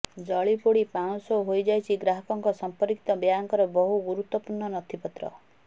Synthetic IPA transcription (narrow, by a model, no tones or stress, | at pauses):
d͡ʒɔɭipoɽipaw̃sɔwɦojd͡ʒajt͡ʃʰiɡɾaɦɔkɔŋkɔsɔmpɔɾkit̪ɔbjaŋkɔɾɔbɔɦuɡuɾut̪wɔpuɾɳɔnɔt̪ʰipɔt̪ɾɔ̰